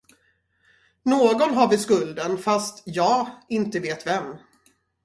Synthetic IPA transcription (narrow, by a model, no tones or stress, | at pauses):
noːɡɔnɦaɾvɪskɵld̪ənfast̪jɑːɡɪnt̪əveːt̪vɛm